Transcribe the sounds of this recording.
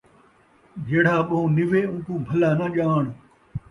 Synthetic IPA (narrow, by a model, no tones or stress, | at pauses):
d͡ʒeːɽ̤aːɓɐũːnɪʋeːũːkũːbʱɐlãːnãːʄaːɳ̃